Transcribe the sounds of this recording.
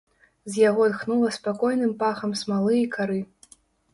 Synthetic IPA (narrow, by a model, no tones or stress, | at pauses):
zʲjaɣɔd̪xnulˠɐspakɔjnɨmpaxɐmsmalˠɨikaɾɨ